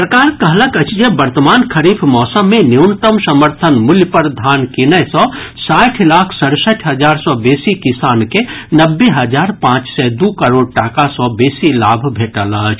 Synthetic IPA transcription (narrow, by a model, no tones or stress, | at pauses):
pɾəkaːɾkəɦləkət͡ʃʰjebəɾt̪əmaːnkʰəɾifʰmɔːsəmːẽniʊnt̪əmsəməɾt̪ʰənmʊljpəɾd̪ʱaːnkinəjsɔsaːʈʰlaːkʰsəɽsəʈʰɦəd͡ʒaːɾsɔbeːsikɪsaːnkenəbːeɦəd͡ʒaːɾpãːt͡ʃsɛd̪uːkəɾoːɖ̚ʈaːkasɔːbeːsilaːbʱbʱeːʈələt͡ʃʰ